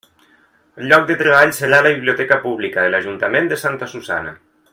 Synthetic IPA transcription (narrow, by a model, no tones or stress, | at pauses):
ʎːɔk̚d̪et̪ɾeβ̞aʎseɾalaβiβlijot̪ɛkapuβ̞likaðelaʒunt̪amend̪esant̪asuza̰na̰